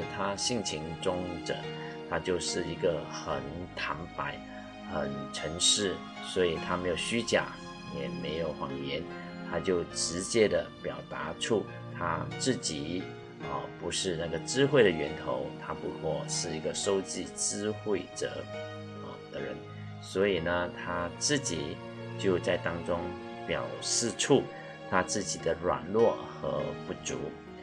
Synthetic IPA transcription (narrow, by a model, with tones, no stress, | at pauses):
t̪ʰa˥ɕi˥˩ŋt͡ɕʰi˧˥ŋʈ͡ʂʊ˥ŋdə̰˨˩ | t̪ʰa˥t͡ɕjo˥˧ʊʂɻ̩˥˩i˧˥ɡə˧xə˨˩nt̪ʰa˧˥npa˨˩˦ɪ | xə˨˩nʈ͡ʂʰə˧˥ŋʂɻ̩˥˩ | swɔ˧˥i˨˩t̪ʰa˥me˧˥jo˨˩ʊɕy˥t͡ɕja̰˨˩ | jɛ˨˩me˧˥ɪjo˨˩ʊxwɑ˨˩ŋɥɛ˧˥n | t̪ʰa˥t͡ɕjo˥˩ʊʈ͡ʂɻ̩˧˥t͡ɕjɛ˥d̪ə˨pjɑ˨˩ʊt̪a˧˥ʈ͡ʂʰu˥˩ | t̪ʰa̰˥t͡sɹ̩˥˩t͡ɕi˨˥˦ | ə˧˩pu˧˥ʂɻ̩˥˧na˥˩ɡə˩ʈ͡ʂɻ̩˥xwe˥˩ɪɾə˩ɥɛ˧˥nt̪ʰo̰˧˥ʊt̪ʰa˥pu˧˥kʰwɔ˥˩ʂɻ̩˥˩i˧˥ɡə˧ʂo˥ʊt͡ɕi˥˩ʈ͡ʂɻ̩˥xwe˥˩ɪʈ͡ʂə̰˨˩˦ | ə˩d̪̥ə˨ɻə̰˧˦n | swɔ˧˥i˨˩nə˧t̪ʰa˥t͡sɹ̩˥˩t͡ɕi˨˩˦ | t͡ɕjo˥˧ʊt͡sa˥˩ɪt̪ɑ˥ŋʈ͡ʂʊ˥ŋ | pjɑ˨˩ʊʂɻ̩˥˧ʈ͡ʂʰu˥˩ | t̪ʰa˥t͡sɹ̩˥˩t͡ɕi˨˩d̪ə˦ɻwa̰˨˩nlwɔ˥˩xɤ̰˧˥pu˥˩t͡sṵ˧˥